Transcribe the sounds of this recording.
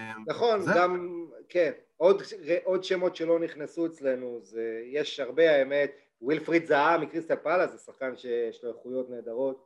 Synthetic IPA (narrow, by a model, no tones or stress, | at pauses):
naχo̞nɡamken | od̪eʔo̞d̪ʃe̞mo̞t̪ʃelo̞niχnesuet͡sle̞nuzejeʃhaʁbe̞aeme̞t̪ | wilfʁid̪zaamikʁist̪alpalazesaχkanʃe̞jeʃloeχujo̞tne̞ːd̪aʁo̞t̪̚